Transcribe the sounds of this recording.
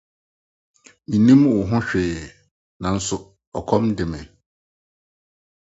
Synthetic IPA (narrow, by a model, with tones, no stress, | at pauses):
mĩ˨nĩ˦mwʊ˨ɦʊ̃˦ɕᶣɪː˨ | nã˨n̩˦sʊ˨ | ɔ˨kʰɔ̃˦mdɪ˨mɪ̃˨